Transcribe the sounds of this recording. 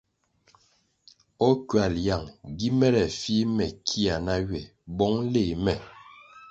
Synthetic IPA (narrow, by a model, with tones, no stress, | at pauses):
ɔ˦kɥa˨lja˨ŋɡi˦mɛ˦ɾɛ˨fi˦mɛ˨kʰi˦a˨na˦ɥɛ˨ | bɔ˦ŋle˦˨mɛ˨